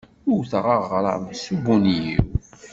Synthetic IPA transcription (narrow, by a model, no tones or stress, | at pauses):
ʊɾθʁɑʁɾˤɑ̰subunjiw